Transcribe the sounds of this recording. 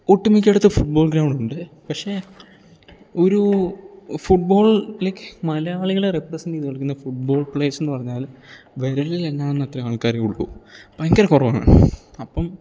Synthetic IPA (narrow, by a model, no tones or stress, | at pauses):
uʈːumikʲːeɽut̪ːɨfuʈ̚bo̞ːlɡɾɐwɳɖuɳɖɨ | pɐkʂe̞ | o̞ɾu | fuʈ̚bo̞ːɭilekːɨ̥mɐlɐjaːɭiɣɐɭereprɐsɐnɖiːðɨkːɐɭikːunːɐfuʈ̚bo̞ːɭpɭeːsenːɨpɐrɐɲːaːl | ʋeɾɐlileŋːaːɭonːɐt̪ːrɐaːɭkaːɾeuɭːṵbaŋkɐɾekurɐʋaːɳɨ̰ɐpːɐm